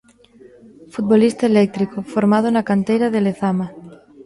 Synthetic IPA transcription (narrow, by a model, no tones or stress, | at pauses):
fut̪̚βolist̪aelek̚t̪ɾikofoɾmað̞onakant̪ejɾaðeleθama